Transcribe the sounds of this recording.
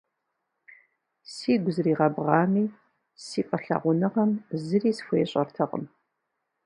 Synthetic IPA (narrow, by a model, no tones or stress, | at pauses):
siːɡʷʊzɨriːʁɐbʁɑːmiː | siːqʼəɬɐ̰ʁʷʊnɨʁɐmzɨriːsfʷojɛɕʼɐrtʰɐqʼə̰m